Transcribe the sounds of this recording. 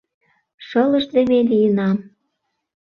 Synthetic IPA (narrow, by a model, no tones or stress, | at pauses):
ʃɤlə̆ʃzeβelijənɑm